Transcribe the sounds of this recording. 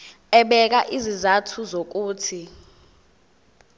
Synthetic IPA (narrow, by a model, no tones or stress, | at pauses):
ɛɓɛk̬aʔizizatʰuzok̬uːtʰi